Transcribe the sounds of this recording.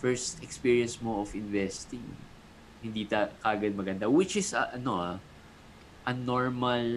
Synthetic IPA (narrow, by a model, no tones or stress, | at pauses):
fɛɹst̪ɛkspiɹiɐnsmoʔofɪnvɛst̪ɪŋ | hɪnd̪it̪akaːɡɐd̪̚mɐɡɐnd̪awɪt͡ʃɪsɐʔɐnoʔa | ʔɐnoɹmɐl